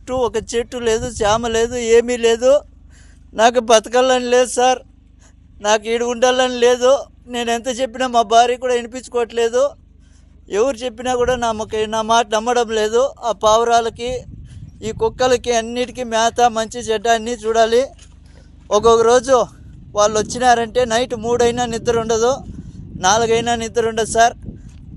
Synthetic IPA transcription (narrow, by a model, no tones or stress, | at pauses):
ʈːuɔkɐt͡ʃeʈːule̞ːd̪ut͡ʃaːmɐle̞ːd̪ue̞ːmiːle̞ːd̪u | naːk̬ubɐt̪ɐkɐlːɐnile̞ːd̪usaːɾ | naːkiːɽiuɳɖɐlːɐnile̞ːd̪u | ne̞ːnent̪ɐːt͡ʃe̞pːinamaːbaːɾiːkuːɽaːinip̬iɲt͡ʃukɔːʋɐʈle̞ːd̪u | eʋɐɾut͡ʃe̞pːinaːkuːɽaːnɐmɐkɐnaːmaːʈɐnɐmːɐɽɐmle̞ːd̪uaːpaːʋɐɾaːlɐki | iːkɔkːɐlɐkiɐnːiːʈikimaːt̪amɐɲt͡ʃid͡ʒɛɖːaːnːit͡ʃuːɽaːli | ɔkɔkːɐɾo̞ːd͡ʒu | ʋaːɭːʋɐt͡ʃːinaːɾɐɳʈe̞ːnɐjʈmuːɽɐjnaːnid̪ːɐɾuɳɖɐd̪unaːluɡɐjnaːnid̪ːɐɾuɳɖɐd̪usaːɾ